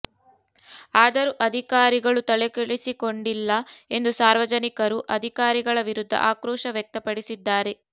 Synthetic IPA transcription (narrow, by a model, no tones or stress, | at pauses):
aːd̪ɐɾuʔɐd̪ʱikaːɾiɡɐɭut̪ɐɭekeɭisiko̞ɳɖilːɐe̞nd̪usaːɾʋɐd͡ʒɐnikɐɾuʔɐd̪ʱikaːɾiɡɐɭɐʋiɾud̪ʱːɐ̰ʔaːkɾɔːʃɐʋjɛk̚t̪ɐpɐɽisid̪ːaːɾe̞